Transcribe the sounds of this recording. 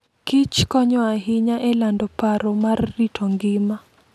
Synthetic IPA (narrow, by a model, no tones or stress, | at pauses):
kit͡ʃkɔɲɔaɦiɲaʔɛlandɔpaɾɔmarːitʰɔŋɡɪma